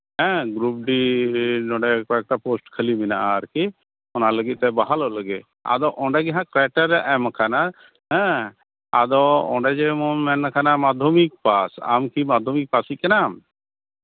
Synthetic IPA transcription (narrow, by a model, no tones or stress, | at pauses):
ɦɛ̃ɡɾup̚ɖinɔ̃ɖɛkɔɛk̚ʈaposʈkʰəlimina̰ʔaɾki | ɔnaləɡit̪̚t̪ɛbaɦalɔʔləɡɛ | a̰d̪ɔʔɔ̃ɳɖɛɡɛɦãkɾɛʈəɾɛʔɛmkʰana | ɦɛ̃ | a̰d̪ɔɔ̰ɖɛd͡ʒɛmɔmɛnːakʰanamad̪ʱomik̚pasa̰mkimad̪ʱomik̚pasikɛnam